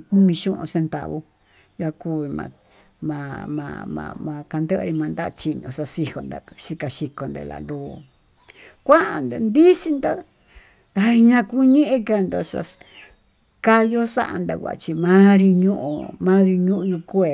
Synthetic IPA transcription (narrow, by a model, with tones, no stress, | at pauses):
kũ˦mĩ˧ʃũ˦ʔṵ̃˧se˧nt̪a̰˨βo˧ | ja˧ku˧βi˧mã̰˧ | mã˨˧mã̰˧mã̰˧mã˧ka˧nd̪ə˦ʔɾi˧mã˧nd̪a˦˧t͡ʃi˧ɲõ˧˨sa˧si˧ho˧nd̪a̰˧ʃi˧ka˨ʃi˧ko˨nd̪ḛ˧la̰˨nlu˧˨ | kʷa˦ʔa˨nd̪e˧˨nd̪i˦si˧nd̪o˦ | a˨˧ɲã˧ku˦ɲẽ˦ʔẽ˧ka˧nd̪o˧sa̰˧ | ka˦jo˦sa̰˦ʔa̰˧nd̪a̰˧kʷa̰˨t͡ʃi˧mã˦ɾi˧ɲũ˦ʔo̰˧mã˦ɾi˧ɲũ˦ʔɲã˧ku˦e˨